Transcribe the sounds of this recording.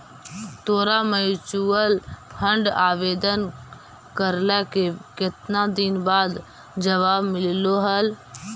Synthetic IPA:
t̪oːɾamət͡ʃuəlpʰə̃ɳɖaːʋeːd̪ən | kəɾləkekɪt̪nad̪ɪnbaːd̪ | d͡ʒəʋaːbmɪlloɦəl

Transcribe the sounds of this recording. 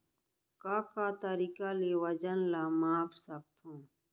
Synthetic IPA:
kaːkaːt̪əɾiːkaleːwəd͡ʒənlaːmaːpsɐb̚t̪ʰõː

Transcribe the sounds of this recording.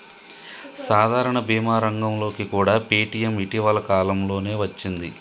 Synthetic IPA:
saːd̪ʱaːɾɐɳɐbʱiːmaːɾɐŋɡɐmlo̞ːkikuːɽaːpeːʈijɐmiʈiʋɐlɐkaːlɐmlo̞ːne̞ːʋɐt͡ʃːind̪i

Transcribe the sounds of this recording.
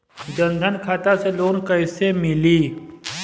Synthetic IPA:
d͡ʒə̃nd̪ʱənkʰaːt̪aseloːnkəɦɪsemɪliː

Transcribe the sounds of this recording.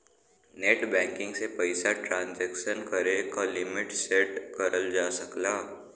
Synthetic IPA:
neʈbɛ̃ːŋkɪ̃ŋɡsepəɪsaʈɾãːnzɛːkʃənkəɾekalɪmɪʈseʈkəɾəld͡ʒaːsəklaː

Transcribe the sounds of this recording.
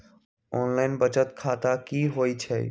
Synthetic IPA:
ɔːnlaɪnbət͡ʃət̪kʰaːt̪akiːɦoːit͡ʃʰḛː

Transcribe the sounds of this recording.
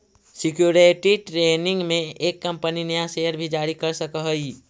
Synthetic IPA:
sɪkjuɾeʈiʈɾenɪ̃ŋɡmẽekːəmpəninəjasejəɾbʱid͡ʒaɾikəɾsəkəɦəi

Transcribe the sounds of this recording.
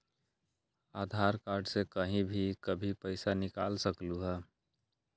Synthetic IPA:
aːd̪ʱaɾkaːɾɖsekəɦĩbʱikəbʱipəɪsanɪkaːlsəkluɦɛː

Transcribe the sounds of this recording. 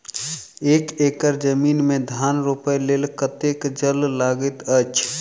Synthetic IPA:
ekekəɾd͡ʒəminmed̪ʱanɾupəjlelkət̪ekd͡ʒəllaɡət̪ət͡ʃʰ

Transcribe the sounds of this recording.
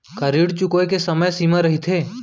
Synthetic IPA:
kəɾiɽt͡ʃukojkesəməjsimə̃ɾəɦit̪ʰeː

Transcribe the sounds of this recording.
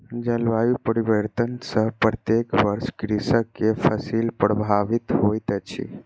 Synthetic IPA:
d͡ʒəlʋajupəɾiʋəɾt̪ənsə̃ɦpɾət̪ekʋəɾskɾisəkepʰəsilpɾəbʱaʋit̪ɦojt̪t͡ʃʰḭ

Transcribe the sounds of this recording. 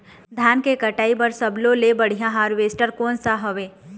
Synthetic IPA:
d̪ʱjaːnkekɐʈaːipəɾsɐblolebɐɽ̤ijãɦaːɾʋeːsʈəɾkoːnsaɦoʋeː

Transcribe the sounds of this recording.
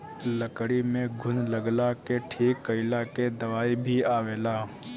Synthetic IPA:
ləkɽimẽɡʱʊnləɡlakeʈʰiːkːəɪlaked̪ɐʋaːibʱiaːʋeːlaː

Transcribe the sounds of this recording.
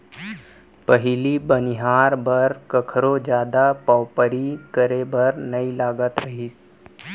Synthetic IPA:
pəɦiliːbəniɦaɾbəɾkəkʰɾod͡ʑjad̪apəwpəɾiːkəɾebəɾnəilaɡət̪ɾəɦiːs

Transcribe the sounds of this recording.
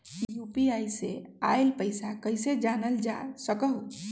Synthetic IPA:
jupiajseaɪlpəɪsakəɪsed͡ʒanəld͡ʒa̰səkəɦ

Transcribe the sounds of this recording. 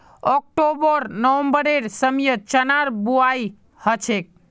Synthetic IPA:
ɔk̚ʈobəɾnəʋəmbəɾeɾsəmjət͡ʃənaɾbuai | hət͡ʃʰek̚

